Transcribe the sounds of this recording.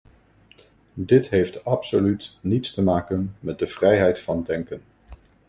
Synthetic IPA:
dɪtɦejftɑpsolytnitstəmaːkənmɛt̚dəv̥rɛjɦɛjtfɑndɛŋkən

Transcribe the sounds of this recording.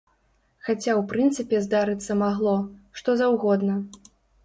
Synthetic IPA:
xat͡sʲawpɾɨnt̪sɨpʲɛzd̪aɾɨt̪sːɐmaɣlˠɔʂt̪ɔzɐwɣɔd̪nɐ

